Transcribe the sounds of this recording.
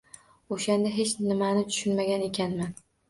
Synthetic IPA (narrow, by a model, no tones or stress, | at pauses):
oʃand̪aɦe̞t͡ʃnɪmanɪt̪ʰʊ̥ʃʊnmaɡʲane̞kʲʰanman